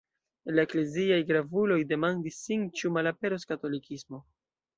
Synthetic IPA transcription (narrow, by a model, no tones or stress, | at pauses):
laekleziajɡɾavulo̞jde̞mandisːint͡ʃumalape̞ɾoskato̞likʰismo̞